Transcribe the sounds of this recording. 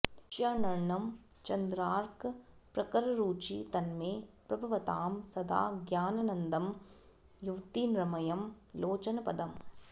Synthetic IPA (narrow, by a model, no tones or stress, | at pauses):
ʃjaːnɐɾɳɐm | t͡ʃɐnd̪ɾaːɾkpɾɐkɐɾɐɾuːt͡ʃit̪ɐnmeːpɾɐbʱuʋɐt̪aːmsɐd̪a̰ːɡjaːnɐnɐnd̪ɐm | juʋt̪iːnɾɐmɐjɐm | loːt͡ʃɐnɐpɐd̪ɐm